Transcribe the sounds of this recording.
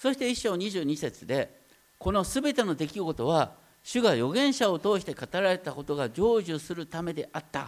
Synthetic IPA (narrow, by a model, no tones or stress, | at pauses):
so̞ɕi̥t̪e̞iɕːo̞ːɲ̟iʑɨːɲ̟ise̞t͡sɨd̪e̞ | ko̞no̞sɨbe̞t̪e̞no̞d̪e̞kʲiɡo̞t̪o̞β̞a | ɕɨɡajo̞ɡẽ̞ɰ̃ɕao̞t̪o̞ːɕi̥t̪e̞kat̪aɾaɾe̞t̪ako̞t̪o̞ɡad͡ʑo̞ːʑɨsɨɾɯ̟t̪ame̞d̪e̞ʔat̪ːa̰